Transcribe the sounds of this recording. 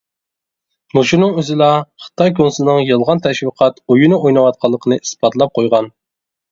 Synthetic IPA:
muʃunɨŋøzɪlˠɑχə̥t̪ʰɑjkʰonsulˠnɨŋjɨlˠʁɑnt̪ʰɛʃwiqʰɑt̪ojunɨʔojnɨwɑt̪̚qʰɑlˠːəqʰənɨisb̥ɑt̪ʰlˠɑp̚qʰojʁɑn

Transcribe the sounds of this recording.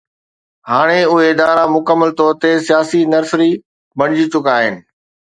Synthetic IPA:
haːɽ̃eʊɦeɪd̪aːɾamʊkəmːəlt̪ɔːɾt̪esijaːsinɐɾsɾi | bɐɽ̃ɪd͡ʑit͡ɕʊkaːɦɪnɪ̆

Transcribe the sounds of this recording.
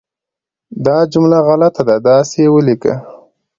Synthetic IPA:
d̪ɑd͡ʒʊmlaɣalat̪ad̪ad̪ɑsejewəlikə̰

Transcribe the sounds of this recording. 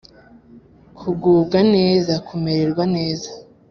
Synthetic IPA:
kʰuɡuːb̚ɡane̞ːzakʰumeɾeɾɡwane̞ːza

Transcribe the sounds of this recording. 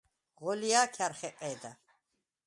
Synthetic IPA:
ʁɔlijaːkʰaɾχɛqʼɛːd̪a

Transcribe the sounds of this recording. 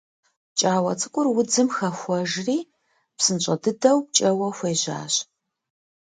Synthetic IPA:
t͡ʃʼaːwɐ̰t͡sʰʼɨkʷʼʊrwʊd͡zɨmxɐxʷɔʒriː | psɨnɕʼɐdɨdɐwp̚t͡ʃʼɐwɐxʷeːʑa̰ːɕ

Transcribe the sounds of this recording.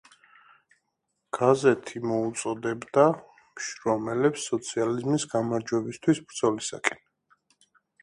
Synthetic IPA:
ɡ̥azɛt̪ʰimɔut̪sʼɔd̪ɛbd̪a | mʃɾɔmɛlɛpsːɔt̪sʰializmisɡamaɾd͡ʒwɛbist̪ʰwisbɾd̪zɔlisa̰kʼɛn

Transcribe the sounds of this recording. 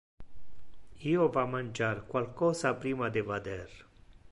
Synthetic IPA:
iːovamanʲd͡ʒaɾkwalkɔːsapɾiːmad̪evad̪ɛɾ

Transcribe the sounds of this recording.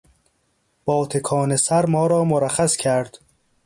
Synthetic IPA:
b̥ɒːt̪ʰekʰɒːnesæɾmɒːɾɒːmoɾæχæscʰæɾd̪̥

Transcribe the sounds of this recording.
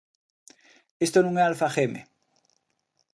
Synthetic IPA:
est̪onũŋealfaχemḛ

